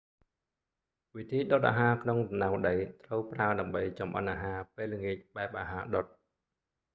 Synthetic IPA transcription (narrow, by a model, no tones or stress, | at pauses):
ʋit̪ʰiːɗot̪ʔa̰ːɦaːkʰnoŋɗɑmnawɗəjt̪rəwpraəɗaəmɓəjt͡ɕɑmʔə̰nʔaːɦaːpeːləŋiəc̚ɓaɛp̚ʔaːɦaːɗot̪̚